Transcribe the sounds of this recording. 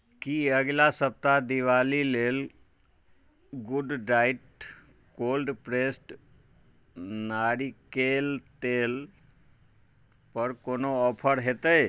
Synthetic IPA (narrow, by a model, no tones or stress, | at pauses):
kiəɡlasəp̚t̪ad̪iʋaːlileːl | ɡʊɖɖaːɪʈ | koːlɖpɾeːsʈ | naːɾikeːlt̪eːl | pəɾkoːnoɔːpʰəɾɦet̪əe